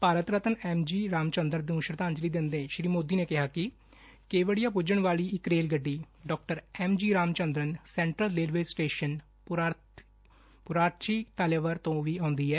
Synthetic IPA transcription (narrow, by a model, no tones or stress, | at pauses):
paːɾət̪ɾət̪ənɛːmd͡ʒiːɾaːmt͡ʃənd̪əɾd̪ũːʃɾəd̪ãːnd͡ʒliːd̪ɪ̃nd̪ẽːʃɾiːmoːd̪iːneːkɪɦaːkɪ | keːʋəɽɪjaːpʊd͡ʒəɳʋaːliːɪkɾeːlɡəɖːiː | ɖɔːk̚ʈəɾɛːmd͡ʒiːɾaːmt͡ʃənd̪ɾənsɛ̃ːɳʈɾəlːeːlʋeːsʈeːʃən | pʊɾaːɾt͡ʃiːt̪aleʋəɾt̪õːʋiːãːnd̪iːɛː